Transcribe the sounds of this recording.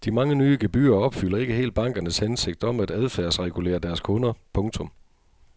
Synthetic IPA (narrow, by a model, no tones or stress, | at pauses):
d̥imɑ̈ŋənyːəɡ̥e̝b̥y̰ːɐɒ̽b̥fyl̰ɐe̝ɡ̥əɦe̝̰ːld̥̚b̥ɑ̈ŋ̰ɡ̥ɐnəshense̝ɡ̥̚d̥ɒ̽mæd̥æðˠfæɐsʁɛɡ̥ule̝̰ːɐd̥æɐskʰɔ̽nɐpʰɔ̽ŋt͡sʰɔ̽m